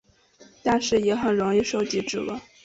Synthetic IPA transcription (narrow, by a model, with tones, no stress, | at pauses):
t̪a˥˧nʂɻ̩˥˩jɛ˧˥xə˨˩nɻʊ˧˥ŋi˥˧ʂo˥ʊt͡ɕi˧˥ʈ͡ʂɻ̩˥˩lə̰˧˦